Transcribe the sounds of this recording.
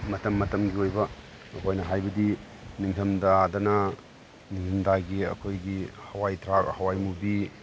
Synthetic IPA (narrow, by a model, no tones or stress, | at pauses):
mɐtɐmːɐtɐmɡiojbɐ | ɐkʰojnɐɦajbɐdi | niŋtʰɐmdadɐnɐ | niŋtʰɐmdaɡiɐ̰kʰojɡihɐwajtʰɾahɐwajmubi